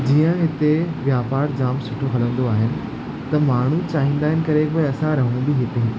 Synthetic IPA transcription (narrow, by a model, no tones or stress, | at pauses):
d͡ʑiːə̃ɦɪt̪eʋjaːpaːɾd͡ʑaːmsʊʈʰoɦɐlə̃nd̪oaːɦɪnɪ̆ | t̪ɐmaːɳ̤ut͡ɕaːɦĩːn̆d̪aːɦɪnɪ̆kɐɾekoːeɐsãɾɐɦəɽ̃ũbiɦɪt̪əɦɪ̃